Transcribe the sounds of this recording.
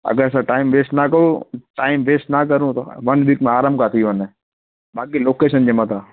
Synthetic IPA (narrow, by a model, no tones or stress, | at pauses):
ɐ̰ɡəɾɛsãʈaːɪmʋeːsʈnakɐɾuʈaːɪmʋeːsʈnak̬ɐɾũt̪o̰ʋɐnʋikmẽaːɾamkaːt̪ʰiʋəne | bʱaːkiloːkeːʃənd͡ʑemət̪aː